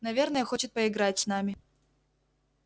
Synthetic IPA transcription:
nɐvʲernɐjəxot͡ɕɪt̪̚pɐɪɡɾat͡sʲsnamʲɪ

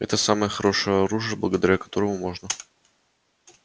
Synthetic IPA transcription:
ɛ̰t̪əsaməjəxɐɾo̞ʂɨjəɐɾuʐɨjəblˠəɡəd̪ɐɾʲakɐ̥t̪o̞ɾəmʊmo̞ʐnə

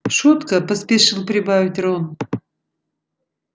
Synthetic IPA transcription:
ʃut̪kəpɐspʲeʃɨlˠpɾʲɪbavʲɪt̪ʲron

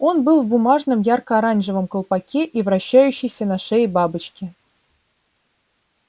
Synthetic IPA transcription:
onbɨlˠvbumɑʐnəmjɑrkəːɾɑnʒɨvə̆mkə̆lˠpɑkʲʰeʔivraɕːæjʉɕːɪjsʲənaʂejbɑbɨt͡ɕkʲɪ

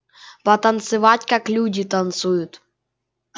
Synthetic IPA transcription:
pɐt̪ɐnt̪sɨvatʲkaklʲudʲit̪ɐnt̪sujʊt̪

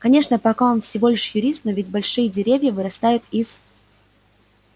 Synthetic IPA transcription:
kɐnʲe̞ʂnəpɐkao̞nfsʲɪvo̞lʲɪʂjʊɾʲist̪̚novʲɪtʲbɐlʲʂɨjədʲɪɾʲevʲjəvɨɾɐst̪ajʊt̪is

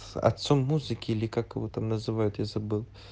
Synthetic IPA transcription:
ɐ̰t̪somːuzɨkʲɪilʲɪkakəvot̪amnəzɨvajʊt̪jasəbɨlˠ

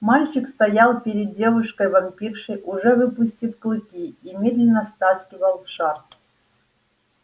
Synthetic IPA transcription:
malʲt͡ɕɪkst̪ɐjalˠpʲɪɾʲɪd̪̚dʲe̞vʊʂkəjvɐmpʲifʂɨjʔʊʐɛvɨpʊsʲtʲifklˠɨkʲiimʲe̞d̪lʲɪnəst̪askʲɪvəlˠfʂat̪

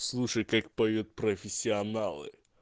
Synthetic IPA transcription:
slˠuʂɨkakpɔjjut̪̚pɾɔfʲesʲiɔnalɨ̰

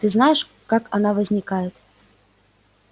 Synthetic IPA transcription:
t̪ɨznajɛʂ | kakanavɐzʲnʲikajɛt̪

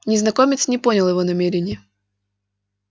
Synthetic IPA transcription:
nʲɪznɐkomʲɪt̪snʲɪponʲɪlˠjɪvonɐmʲeɾʲɪnʲɪjə

